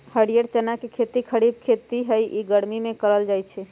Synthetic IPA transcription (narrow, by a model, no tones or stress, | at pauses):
həɽijəɾt͡ʃənakekʰet̪ikʰəɽib̚kʰet̪iɦəjʔiɡəɽmimẽkəɾəld͡ʒajt͡ʃʰɛ